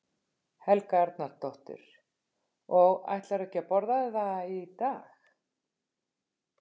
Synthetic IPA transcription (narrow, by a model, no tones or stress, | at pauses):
hɛlkaaɾt̪̚naɾ̥t̪ɔht̪ɪ̰ɾ̥ | ɔɣa̰jht̪laɾɛhcapɔɾðaðɪθait̪aːx